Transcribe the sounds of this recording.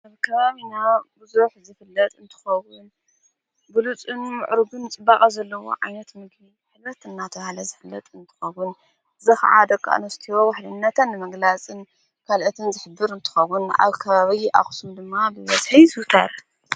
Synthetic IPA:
ʔaβkʰɐβaβinabɨzuħzɨfɨlːɐt̪ʼɨnt̪ʰɨ̥xɐwːʊn | ɡulut͡sʼɨnmɨ̰ʕɾɨɡɨnt͡sʼɨbakʼɐzɐlːɐwo̰ʕa̰jnɐt̪mɨɡmi | ħɨlɾɐt̪ɨnːat̪ʰɐβahlɐzɨfɨlːɐt̪ʼɨnt̪ʰɨ̥xɐwʊn | zɨxʕa̰d̪ɐkʰʼːa̰ʔnɐst̪ʰiɾowaħlɨnːɐt̪ʰɐnːɨmɐɡlat͡sʼɨn | kʰalʔɐt̪ʰɨnzɨħɨbːɨɾɨnt̪ʰɨ̥xɐwːʊna̰βkʰɐβaβiʔa̰xsumd̪ɨmːabɨβɐz̥ħɨjzut̪ʰɐ̰ɾ

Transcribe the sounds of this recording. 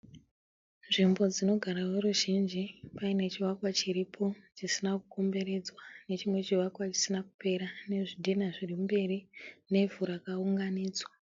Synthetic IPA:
nʐimbo̞d͡zino̞ɡʱaɾaweruʒind͡ʒipaine̞t͡ʃiwakwat͡ʃiripʰo̞t͡ʃisinakuko̞mbe̞ɾe̞d͡zwane̞t͡ʃimwe̞t͡ʃiwakwat͡ʃi̥sinaku̥pe̞ɾane̞ʐidʱinaʐirimumbe̞rine̞vuɾakauŋɡaniːd͡zwa

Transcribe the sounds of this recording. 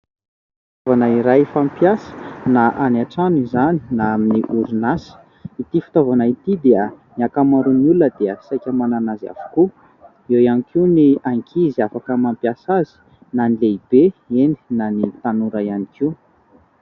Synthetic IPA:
ffit̪avanaiɾajfampjasə̥naʔanaʈ͡ʂanizani̥naaminiʔuɾunasə̥ | it̪ifi̥t̪ovanait̪id̪eəniakamaɾunuləd̪eəsajkʲəmananaza̰vu̥ku | ewjanikʰiuniaŋkʰiziafakəmampjasazi̥ | nanileib̥eeni̥nanit̪anuɾaianikiu

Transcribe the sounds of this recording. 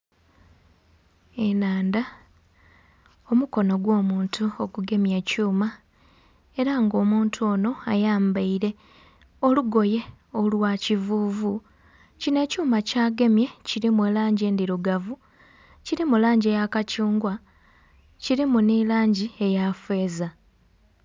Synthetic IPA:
enaːnda | omuko̞no̞ɡwo̞ːmuːntʰuo̞kuɡe̞mje̞ːcuːma | eɾaŋɡo̞ːmuːntʰuoːno̞ajaːmbaiɾe̞ | o̞luɡo̞je̞ | o̞lwacivuːvu | cine̞ːcuːmacaːɡe̞mje̞ciɾimuwelaːɲɟeːndiɾuɡavu | ciɾimulaːɲɟie̞jakacuːŋɡwa | ciɾimunilaːɲɟie̞jafwe̞ːza

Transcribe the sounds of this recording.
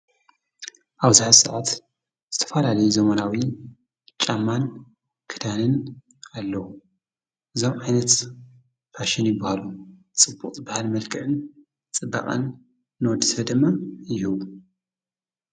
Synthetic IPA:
ʔaβzɨħasɨʕat̪ | z̥ɨt̪ʰɐ̥falalɐjuzɐmɐnawi | t͡ʃʼamːan | kʰɨd̪anɨn | alːɐwu | ʔɨzo̞mʕajnɐt̪ | fʰaʃɪnjbɐhalu | t͡sʼɨbːuqʼbahalmɐlkʰɨʕɨn | t͡sʼɨbːa̰kʼa̰nː | wɔd̪ɨsɐd̪ɨmːajɪhɨβu

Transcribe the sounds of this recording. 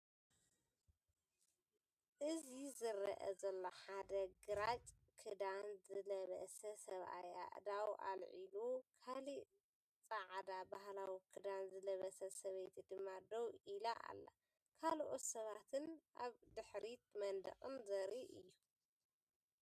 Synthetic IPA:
ʔɨzizɨɾɐ̰ʔɐ̰zɐlːoħad̪ɐɡɨɾat͡ʃʼ | kʰɨd̪anzɨlɐβɐ̰sɐsɐβʔa̰ja̰ʔd̪awʔa̰lʕilukʰali | t͡sʼaʕd̪abahlawikʰɨd̪anzɨlɐβɐsɐsɐβejt̪ʰid̪ɨmːad̪owʔilaʔa̰lːa̰ | kʰalʔo̞t̪sɐβat̪ʰɨnʔaβd̪ɨħɾit̪mɐnd̪ɐ̰χʼɨnzɐɾiʔɨjːu

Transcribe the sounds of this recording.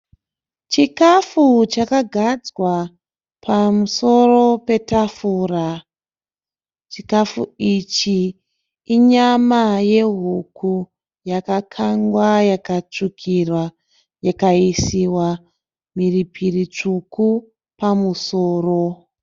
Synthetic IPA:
t͡ʃikafut͡ʃakaɡʱad͡zwa | pamuso̞ro̞pe̞tafuːra | t͡ʃikafṵit͡ʃiː | ɲamaje̞ɦuku | jakakʰaŋɡwajakat͡ʂukʰirwa | jakaisiwa | miripʰirit͡ʂuku | pamuso̞ːro̞

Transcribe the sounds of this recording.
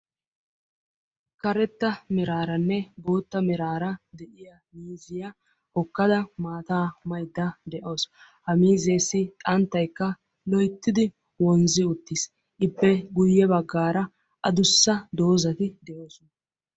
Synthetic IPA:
kɐɾɛt̪ːɐmɪɾaːɾɐnːɛboːt̪ːɐmɪɾaːɾɐd̪ɛʔɪjɐ | miːzɪjɐ | hɔkːɐd̪ɐmaːt̪aːmɐjd̪ːɐd̪ɛʔo̞ːs | hɐmiːzeːsːɪt̪ʼɐnt̪ːɐjkːɐ | lɔjt̪ːɪd̪ɪ | wɔnzɪʊt̪ːɪs | ʔɪbːɛɡʊjːɛbɐɡːaːɾɐ | ʔɐd̪ʊsːɐd̪o̞ːzɐt̪ɪd̪ɛʔo̞ːsʊnɐ

